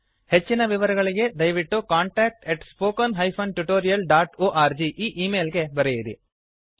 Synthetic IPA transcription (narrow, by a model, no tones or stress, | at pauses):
he̞t͡ʃːinɐʋiʋɐɾɐɡɐɭiɡe̞d̪ɐjʋiʈːukaːɳʈaːk̚ʈeʈspoːkɐnɦɐjpʰɐnʈuʈoːɾijɐlɖaːʈoːʔaːɾd͡ʒiʔiːʔiːme̞ːlɡe̞bɐɾejiɾi